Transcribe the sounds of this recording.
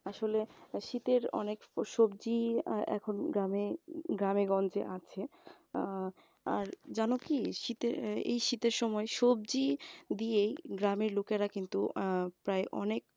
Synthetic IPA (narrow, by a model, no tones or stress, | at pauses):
aʃoleʃit̪eɾɔ̰nekʃob̚d͡ʑiɛ̰kʰonɡɾameɡɾameɡɔnd͡ʑeʔat͡ɕʰe | aɾd͡ʑanokiʃit̪eɾḛjʃit̪eɾʃɔmɔeʃob̚d͡ʑid̪iejɡɾameɾlokeɾakint̪upɾaeʔɔ̰nek̚